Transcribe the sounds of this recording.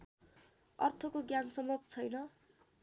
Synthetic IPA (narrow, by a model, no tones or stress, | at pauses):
ʌ̰rt̪ʰʌkoɡjansʌmbʌb̚t͡sʰʌjnʌ